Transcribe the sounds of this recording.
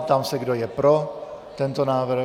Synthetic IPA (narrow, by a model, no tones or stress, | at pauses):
t̪amsɛɡdojɛpɾot̪ɛnt̪onaːvɾ̩